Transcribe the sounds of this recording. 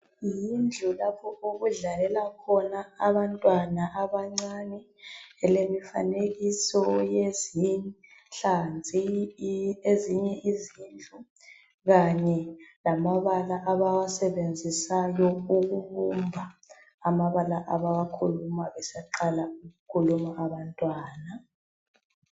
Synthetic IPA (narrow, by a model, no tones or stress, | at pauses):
jind͡ɮʱulapʰɔoɣuɮalɛlakʰɔnaaβantʼwanaʔaβaŋ͡ǀanɛ | ɛlemifa̰neɣisɔjezin | ɬand͡zʱi | eziɲɛʔizind͡ɮʱu | ɣaɲɛlamaβalaʔaβaɣasɛβend͡zʱisajɔuɣuɣumbʱaː | maβalaʔaβaɣakʰulumaβɛsɛǃalauɣukʰulumaaβantʼwaːna